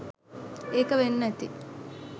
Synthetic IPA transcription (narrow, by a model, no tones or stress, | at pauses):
eːkɐʋenːɐt̪ḭ